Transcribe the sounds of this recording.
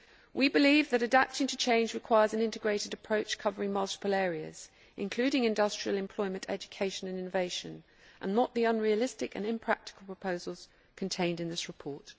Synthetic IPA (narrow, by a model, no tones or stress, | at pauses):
wibɪlivðəɾədap̚tɪ̃ŋtʰət͡ʃʰẽɪ̃nd͡ʒɹɨkʰw̥aɪəzə̃nɪ̃ntɪɡɹeɪɾɪdəpʰɹ̥əʊt͡ʃkʰʌvəɹɪ̃ŋmʌlˠtɪ̥pəlɛːɹiə̰z̥ | ʔɪ̃nkʰl̥ʉːɾɪ̃ŋɪ̃ndʌstɹ̥iəlˠɨ̃mpʰl̥ɔɪmə̃ntʰɛ̰d͡ʒəkʰeɪʃə̃nə̃nɪ̃nəveɪʃə̃n | ʔə̰̃nːəʔðiʌ̃nɹiəlɪstɪkə̰̃nɪ̃mpʰɹ̥a̰k̚tɪ̥kəl̩ˠpʰɹ̥əpʰəʊzəlˠz̥ | kʰə̃ntʰẽɪ̃ndɨ̃nðɪsɹɨpʰɔˑt